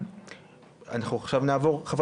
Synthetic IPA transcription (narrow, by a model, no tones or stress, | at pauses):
a̰naχuaχʃavnaːvo̞ʁχav